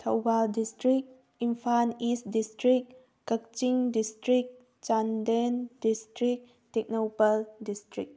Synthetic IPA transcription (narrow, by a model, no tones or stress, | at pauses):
tʰa̰wbaldistɾik̚ | impʰanistdistɾik | kɐk̚t͡ʃiŋdistɾik̚ | t͡ʃandendistɾik̚ | tek̚nopaldistɾik̚